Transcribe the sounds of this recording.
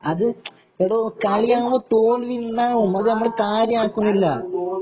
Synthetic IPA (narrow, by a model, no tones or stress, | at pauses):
ɐðɨ | eʋɽoːkɐɭijaːɣumoːt̪oːlʋinːaːɣumɐðɨnɐmːɐɭekaːɾjɐaːkːunːilːɐ